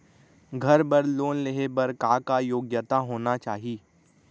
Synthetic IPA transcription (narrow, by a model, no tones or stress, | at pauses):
ɡʱɐɾbɐɾloːnleɦebɐɾkaːkajoːɡjət̪aɦoːnat͡ʃaːɦiiː